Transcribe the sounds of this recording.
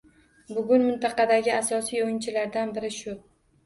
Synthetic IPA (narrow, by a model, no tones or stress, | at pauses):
bʊɡʲʊnmɪnt̪ʰɑqɑd̪aɡʲɪasɒsijojɪnt͡ʃʰɪlaɾd̪anbɪɾɪʃʊ